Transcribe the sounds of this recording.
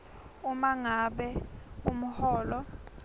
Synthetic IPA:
umaŋaɓɛum̩hɔːlɔ

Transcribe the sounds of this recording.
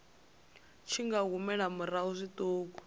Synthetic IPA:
t͡ʃʰiŋɡaɣumɛɺamuraɦuzʷitʼoːk̬ɔ̥

